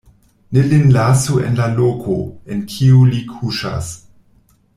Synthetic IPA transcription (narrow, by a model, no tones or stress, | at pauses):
nelinlasuḛnlalokʰoenkʰiulikʰuʃa̰s